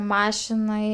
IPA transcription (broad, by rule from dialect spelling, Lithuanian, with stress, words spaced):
ˈmɑːʃʲɪnɐɪ